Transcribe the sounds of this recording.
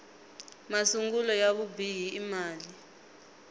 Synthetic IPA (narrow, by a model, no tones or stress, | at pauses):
masuŋɡulɔjaβubʱijiːmaːli